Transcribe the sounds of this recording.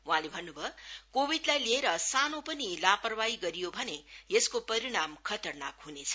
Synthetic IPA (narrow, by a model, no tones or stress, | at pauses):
wɦãlebʱʌnːubʱʌkobid̪lajlieɾʌsanopʌnilapʌrbaiɡʌɾijobʱʌnejeskopʌɾiɽ̃amkʰʌt̪ʌrnakɦunet͡sʰʌ̥